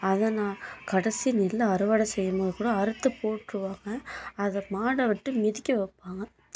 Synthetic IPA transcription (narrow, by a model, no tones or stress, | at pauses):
ɐðɐnãːkɐɽɐsinɪlːɐɐɾɯʋaːɽɐsɛjːɐmoːðɯkuːɽɐɐɾɯt̪ːɯpoːʈɾɯʋaːŋɡɐːðɐmaːɽɐʋɪʈːɯmɪðɪkʲːɐʋɐpːaːŋɡɐ